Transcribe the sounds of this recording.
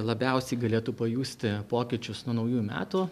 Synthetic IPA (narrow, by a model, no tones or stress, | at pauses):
lˠɐbʲɛˑʊsʲɛɪɡɐlʲeːt̪uːpɐjuːsʲt̪ʲɪpoːkʲɪt͡ʃʲʊsnuɔnɐʊjuːmʲæ̰ːt̪uː